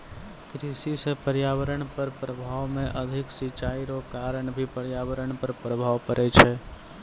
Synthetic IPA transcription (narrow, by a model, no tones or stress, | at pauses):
kɾisisepəɾjaʋəɾəɳpəɾpɾəbʱaʋmẽʔəd̪ʱɪksɪt͡ʃaiɾokaɾəɳbʱipəɾjaʋəɾəɳpəɾpɾəbʱaʋkəɾʔɛt͡ʃʰɛ